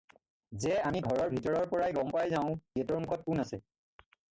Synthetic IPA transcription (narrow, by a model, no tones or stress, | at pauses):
zɛamiɡʱɔɹɔɹbʱitɔɹɔɹpɔɹajɡɔmpajzaʊ̃ɛtɔɹmukʰɔt̚punasɛ